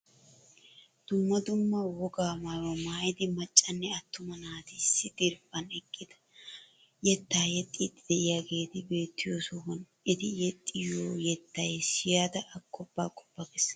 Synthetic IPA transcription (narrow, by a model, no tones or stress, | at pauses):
d̪̥ʊmːɐd̪ʊmːɐwɔɡaːmɐwɐmaːjd̪ɪmɐt͡ʃʼːɐnːɛɐt̪ːʊmɐnaːt̪ɪsːɪd̪ɪɾbɐnɛkʼːɪd̪̥ɐ̥ | jɛt̪ːaːjɛt̪ʼːit̪ʼːɪd̪ɛɪjaːɡe̞ːt̪ɪbe̞ːt̪ːɪjosɔhɔn | ɪt̪ɪjɛt̪ʼːɪjoːjɛt̪ːɐjsɪjaːd̪ɐʔɐkʰːɔbːa̰ːkʼɔ̥bːɐɡɛs